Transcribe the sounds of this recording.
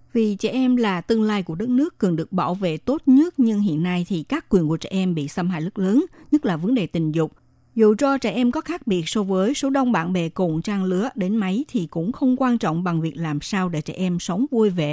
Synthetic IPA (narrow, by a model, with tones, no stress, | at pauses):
vi˨˩t͡ɕɛ̰˧˩ʔɛ˧mlaː˨˩t̪ɨ˧əŋlaː˧jku˧˩əɗə˦˥t̚nɨ˦˥əkːɨ˨˩ŋɗɨ˨˩ək̚ɓa̰ː˧˩wvḛ˧˨t̪o˦˥t̚ɲə˦˥t̚ɲɨ˧ŋɦḭ˧˨ənːa˧jt̪ʰi˨˩kaː˦˥kːwi˨˩ənku˧˩t͡ɕɛ̰˧˩ʔɛ˧mɓḭ˧˨sə˧mhɦa̰ː˧˨jlɨ˦˥k̚ləː˨˦nɲə˦˥t̚laː˨˩və˨˦nɗe˨˩t̪ï˨˩ŋ̟zʊ˨˩k͡p̚ | zṵ˧˨t͡ɕɔ˧t͡ɕɛ̰˧˩ʔɛ˧mkɔ˨˦xaː˦˥k̚ɓi˨˩ət̚sɔ˧vəː˨˦jso˨˦ɗə˧wŋ͡mɓa̰ː˧˨nɓḛ˧˩kʊ˨˩ŋ͡mt͡ɕaː˧ŋlɨ˨˦əɗe˨˦nma˨˦jt̪ʰi˨˩kʊ̰˧˥ŋ͡mxə˧wŋ͡mkwaː˧nt͡ɕɔ̰˧˨wŋ͡mɓa˨˩ŋvi˨˩ək̚laː˨˩msaː˧wɗe˧˩t͡ɕɛ̰ː˧˩ʔɛ˧msə˨˦wŋ͡mvu˧jvḛ˧˨